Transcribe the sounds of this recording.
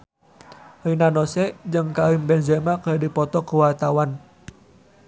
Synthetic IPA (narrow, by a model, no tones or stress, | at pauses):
əinanɔsɛd͡ʒɨŋkaimbɛnzɛmakədipɔt̪ɔkəwart̪awan